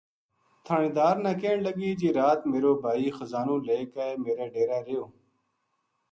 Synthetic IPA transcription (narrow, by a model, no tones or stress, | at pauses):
t̪ʰaːɳẽːd̪aːɾnãːkeːɳləɡiːd͡ʒeːɾaːt̪meːɾoːbʱaːiːxəzaːnoːleːkaːemeːɾaːɖeːɾaːɾejoː